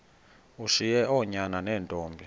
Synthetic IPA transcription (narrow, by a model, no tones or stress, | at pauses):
uʃijɛɔɲananɛːntʼɔːmbʱi